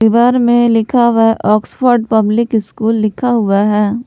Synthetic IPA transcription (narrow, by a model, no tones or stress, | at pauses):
iʋaːɾmẽlɪkʰaʋɛɦʔɔːksfʰɔːɾɖpɐblɪkɪskuːlːɪkʰaɦʊaɦɛː